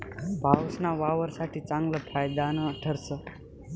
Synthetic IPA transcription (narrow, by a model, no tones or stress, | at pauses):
bʱawsnaʋaʋəɾsaʈʰit͡sãŋɡləpʰajd̪anəʈʰəɾsə